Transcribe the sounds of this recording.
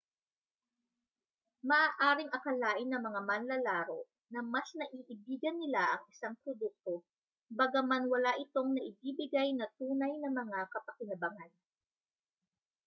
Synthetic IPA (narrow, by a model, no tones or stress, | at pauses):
mɐʔaːʔaːɾɪŋʔɐkɐlaːʔɪnːɐŋmɐŋamɐnlɐlaːɾo̰ | nɐmɐsnɐʔiːʔɪbiːɡɐnːɪlaʔɐŋɪsaŋpɾod̪uk̚t̪o̞ | bɐɡɐmanwɐlaʔɪt̪o̞ŋnɐʔɪbiːbɪɡajnɐt̪uːnɐjnɐmɐŋakɐpɐkɪlɐbaŋan